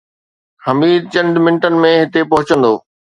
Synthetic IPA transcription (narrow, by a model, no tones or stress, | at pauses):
hɐmiːd̪̚t͡ɕɐ̃ɳɖmɪ̃ɳʈənɪ̆mẽɦɪt̪epɐɦʊt͡ɕə̃nd̪o̰ː